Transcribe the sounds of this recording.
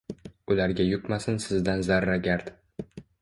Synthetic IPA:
ʊlaɾɡʲajʊkmasɪnsɪzd̪anzaɾːaɡʲaɾd̪

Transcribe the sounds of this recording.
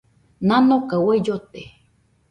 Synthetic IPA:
nanokawaijot̪e

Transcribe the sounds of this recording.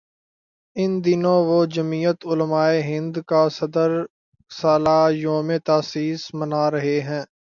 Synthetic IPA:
ɪnd̪ɪnõʋod͡ʒəmiːjət̪ʊlmaːeɦɪ̃nd̪kasɐd̪əɾ | saːlaːjoːmet̪aːsiːsmənaːɾɐɦeɦɛ̃ː

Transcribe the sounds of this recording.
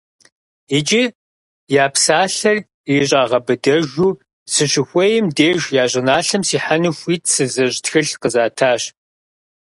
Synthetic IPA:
id͡ʒi | jaːpsaːɬɐr | jɪɕʼaːʁɐbɨdɐʒuː | sɨɕɪxʷɔjɪmdeːʒjaːʑʼɪnaːɬɐmsiːħanɨxʷiːtʰsɨzɐɕʼtxɨɬqəzaːtʰaːɕ

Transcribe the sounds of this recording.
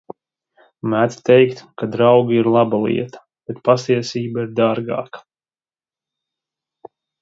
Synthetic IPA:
mæt̪t̪ɛjkt̪kad̪ɾawɡiɾlˠabalˠḭɛt̪ḁ | b̥et̪̚past̪iɛsiːbaiɾd̪aɾɡa̰ːkḁ

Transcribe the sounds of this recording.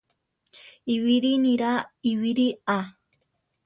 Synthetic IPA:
iwiɾiniɾaiwiɾia

